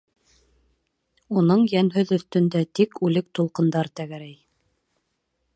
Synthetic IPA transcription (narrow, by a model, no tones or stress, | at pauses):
unɤɴjænɦɵðɵ̆θt̪ɵ̆nd̪æt̪ikʉlɘk̚t̪ulˠqɤ̆nd̪ɑɾt̪æɡæɾæj